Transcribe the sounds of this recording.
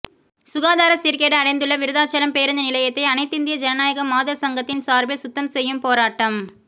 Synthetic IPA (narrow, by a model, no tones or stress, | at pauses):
sʊɣaːðaːɾɐsiɾkeːɽɐɐɽɐɪnd̪ɯɭːɐʋɪɾɯðaːt͡ʃːɐlɐmpeːɾɐnd̪ɐnɪlɐjɐt̪ːɐɪɐnɐɪt̪ːɪnd̪ɪjɐd͡ʒɛnɐnaːjɐɣɐmaːðɐɾsɐŋɡɐt̪ːɪnsaːɾbesʊt̪ːɐnsɛjːɯmpoːɾaːʈːɐm